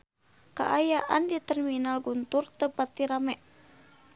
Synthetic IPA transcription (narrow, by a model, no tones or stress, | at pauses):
ka̰ʔajaʔandit̪ɛrminalɡunt̪urt̪əpat̪ːiɾamɛʔ